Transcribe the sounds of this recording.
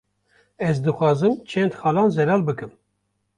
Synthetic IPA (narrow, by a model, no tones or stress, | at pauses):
ɛzd̪ɨxʷɑːzɨmt͡ʃʰɛnd̪xɑːlɑːnzɛlɑːlbɨkɨm